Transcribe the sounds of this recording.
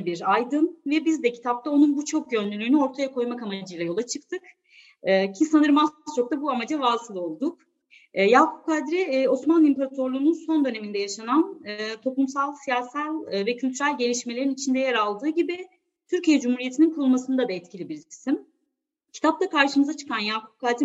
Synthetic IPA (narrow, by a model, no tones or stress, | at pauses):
biɾajd̪ɯnvɛbizd̪ɛcʰi̥t̪ʰap̚t̪ʰao̞nunbut͡ʃʰo̞k̚ɟø̞nlʲylʲyːnyo̞ɾt̪ʰajakʰo̞jmakamad͡ʒɯjlˠajo̞lˠat͡ʃʰɯk̚t̪ʰɯk | ɯːcʰisanɯɾmazst͡ʃʰo̞k̚t̪ʰabuamad͡ʒavaːsɯlˠo̞lˠd̪uk̚ː | jaːkʰop̚kad̪ɾio̞smanimpeɾat̪ʰo̞ɾlˠuːnunso̞nd̪ø̞ne̞mind̪ɛjaʃananːt̪ʰo̞pˠumsalˠsijaːsalʲvɛcʰylʲt̪ʰyɾælʲɟe̞lʲiʃmelʲeɾinit͡ʃʰind̪ɛjeɾalˠd̪ɯːɟibi | t̪ʰyɾcijɛd͡ʒumhuɾijet̪ʰininkʰulˠmasɯnd̪ad̪aɛt̪cʰilʲibiɾcʰi̥sim | cʰi̥t̪ʰap̚t̪akʰaɾʃɯmɯzat͡ʃʰɯ̥kʰanjaːkʰop̚kʰad̪ɾi